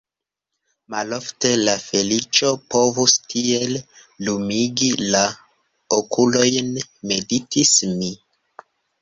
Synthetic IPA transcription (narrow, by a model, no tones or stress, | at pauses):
malo̞fte̞lafe̞lit͡ʃo̞po̞vustʰiel | lumiɡila | okʰulo̞jnme̞ditʰismi